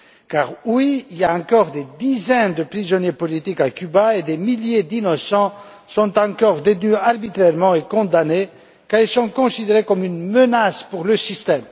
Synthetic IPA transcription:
kaʁwiiljaɑ̃kɔʁd̪ed̪izɛnd̪əpχizɔnjepɔlit̪ikakʲybaed̪emiljed̪inɔsɑ̃ | sɔ̃t̪ɑ̃kɔʁd̪et̪nyaʁbit̪χɛʁmɑ̃ekɔ̃d̪ane | kaʁilsɔ̃kɔ̃sid̪eʁekɔmynmənaspuʁləsist̪ɛm

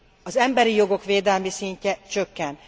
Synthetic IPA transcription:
ɒzɛmbɛɾijo̞ɡo̞kʋeːd̪ɛlmisiɲcɛt͡ʃøkːɛn

